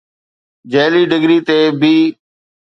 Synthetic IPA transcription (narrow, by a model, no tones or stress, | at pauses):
d͡ʒeːliːɖɪɡɾiːt̪eːbiː